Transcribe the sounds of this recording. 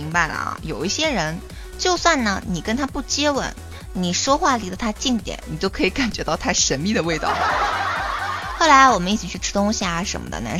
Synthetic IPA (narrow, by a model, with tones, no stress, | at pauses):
i˧˥ŋpa˧ɪlə̰˩˧jo˨˩ʊi˥˩ɕjɛ˥ɻə˧˥n | t͡ɕjo˥˧ʊswa˥˩nnə˩ni˨˩kə˥nt̪ʰa˥pu˥˩t͡ɕjɛ˥wə̰˧˩˦n | ni˨˩ʂwɔ˥xwa˥˩li˧˥d̪ə˧t̪ʰa˥t͡ɕi˥˩ŋt̪jɛ̰˨˩˦nni˨˩t͡ɕjo˥˩ʊkʰɤ˧˥i˧˥ka˨˩nt͡ɕɥɛ˧˥t̪ɑ˥˧ʊt̪ʰa˥˩ɪʂə˧˥nmi˥˩d̪ə˩we˥˧ɪt̪ɑ̰˥˩ʊl | xo˥˩ʊla˧˥ɪwɔ˨˩mə˦ni˥˩t͡ɕʰi˨˩t͡ɕʰy˥˩ʈ͡ʂʰɻ̩˥t̪ʊ˥ŋɕi˨˩a˨˩ʂə̰˧˥nmə̰˧d̪ə̰˧na̰˧˥